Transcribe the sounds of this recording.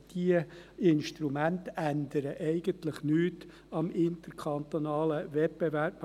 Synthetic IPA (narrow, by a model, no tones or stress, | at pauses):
d̥iəɪnʃtɾumænt̪ænd̪əɾəʔɛɪɡəntləχnyːt | ɑmɪnt̪əɾkʰɑnt̪onɑːləvɛt̚b̥evæp